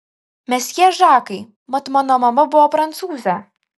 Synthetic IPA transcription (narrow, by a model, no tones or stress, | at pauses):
mʲɛsjiɛʒɑːkɐɪ | mɐt̪mɑːnoːmɐmɐbʊʋɔːpɾɐnt̪suːzʲɛ